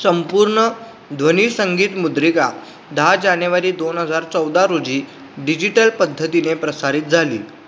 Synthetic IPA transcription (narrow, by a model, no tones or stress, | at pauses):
səmpuɾɳə | d̪ʱʋəniːsəŋɡiːt̪mud̪ɾika | d̪ʱad͡ʑanjəʋaɾiːd̪onɦəd͡zaɾt͡səwd̪aɾod͡ʑiː | ɖid͡ʑiʈəlpəd̪ʱːət̪inepɾəsaɾiːt̪̚d͡zʱalḭː